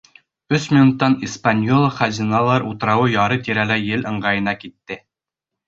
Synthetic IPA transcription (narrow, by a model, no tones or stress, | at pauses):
ɵsmʲinut̪ːɑnispanʲjolˠχæzʲinɑlˠɑɾut̪ɤ̆ɾɑwɤjɑɾɤt̪iɾælæjɘlɤ̆ɴɢɑjɤ̆nɑkit̪ːɘ